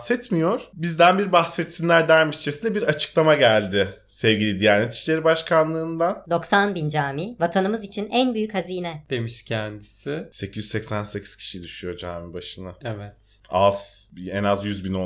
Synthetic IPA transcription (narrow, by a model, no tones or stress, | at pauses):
sɛt̪mijo̞ɾ̥bizd̪ænbiɾbaxsɛt̪sinlʲæɾd̪æɾmiʃt͡ʃʰesind̪ɛbiɾat͡ʃʰɯ̥klˠamaɟælʲd̪ɪ | sɛvɟilʲid̪ijaɾnɛt̪ʰi̥ʃlʲe̞ɾibaʃkʰanlˠɯːnd̪ad̪o̞ksanbind͡ʒaːmiːvat̪ʰanɯmɯzit͡ʃʰinænbyjychaziːnɛd̪̥e̞miʃcʰɛnd̪isɪse̞cʰizyssecsænse̞cʰi̥z̥cʰi̥ʃid̪yʃyjo̞d͡ʒaːmibaʃɯnaevɛt̪a̰zɛnazjyzbino